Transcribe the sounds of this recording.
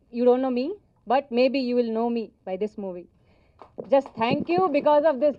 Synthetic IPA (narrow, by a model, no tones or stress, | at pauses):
juːɖõːnʈːnoːmi | bʌʈ̚meːbijuːʋɪlnoːmibaɪd̪ɪsmuːʋi | d͡ʒʌsʈt̪ʰæ̃ŋkjubɪkɔːzɔʋd̪ɪs